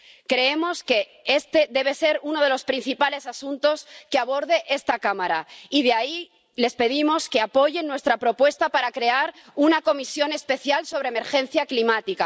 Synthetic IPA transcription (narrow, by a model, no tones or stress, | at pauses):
kɾe̞emo̞ske̞ | est̪e̞ðe̞β̞e̞se̞ɾuno̞ð̞e̞lo̞spɾin̟θipale̞sasunt̪o̞skeaβ̞o̞ɾðe̞ʔe̞st̪akamaɾaið̞eai | le̞spe̞ð̞imo̞ske̞apo̞ʝenːwe̞st̪ɾapɾo̞pwe̞st̪apaɾakɾe̞aɾ | unako̞misjo̞ne̞spe̞θjalso̞β̞ɾeme̞ɾxẽ̞n̟θjaklimat̪ika